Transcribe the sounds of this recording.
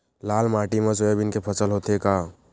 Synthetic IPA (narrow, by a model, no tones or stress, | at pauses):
laːlmaːʈimɐs̬oebʱɪnkepʰəsəlɦoːt̪ekaː